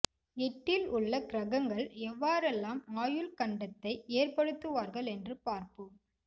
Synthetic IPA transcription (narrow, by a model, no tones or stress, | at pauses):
ɛʈːɪlʊɭːɐkɪɾɐɣɐŋɡɐɭɛʋːaːɾɛlːaːmaːjɯlkɐɳɖɐt̪ːɐɪeːrpɐɽɯt̪ːɯʋaːɾɣɐɭɛndrɯpaːɾpɯ